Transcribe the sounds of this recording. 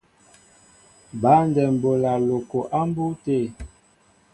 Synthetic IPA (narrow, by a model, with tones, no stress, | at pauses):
ba˨˦ndɛ˨m˨bo˨la˨lo˨ko˨ʔa˦m˦bu˦te˦˨